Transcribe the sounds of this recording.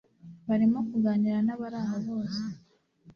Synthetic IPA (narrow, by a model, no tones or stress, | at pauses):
βaɾimo̞kuɡaːɲiɾanaβaɾaːŋɡaβo̞ːse